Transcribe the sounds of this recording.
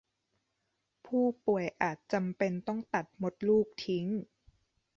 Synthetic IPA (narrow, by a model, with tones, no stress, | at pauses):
pʰuː˥˩pu˨˩əjʔaː˨˩t̪̚t͡ɕa˧mpe˧nt̪ɔ˥˩ŋt̪a˨˩t̪̚mo˧˦˥t̪̚luː˥˩k̚t̪ʰi˦˥ŋ